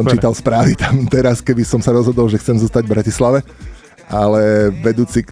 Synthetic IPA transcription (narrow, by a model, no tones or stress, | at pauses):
ɔmt͡ʃiːt̪alspɾaːʋit̪amt̪ɛɾaskɛbisɔmsaɾɔzɦɔd̪ɔlʒɛxt͡sɛmzɔst̪aɟvbɾacislaʋɛ | ʔalɛʋɛd̪uːt͡sik